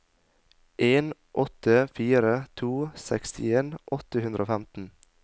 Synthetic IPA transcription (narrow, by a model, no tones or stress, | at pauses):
ʔeːnʔɔt̪əfiːɾət̪ʰuːsɛkst̪ɪeːnʔɔt̪əhʉnd̪ɾʔoːfæmt̪n̩